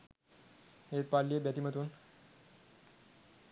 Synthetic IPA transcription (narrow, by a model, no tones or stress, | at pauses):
het̪̚palːiebjat̪imət̪uːn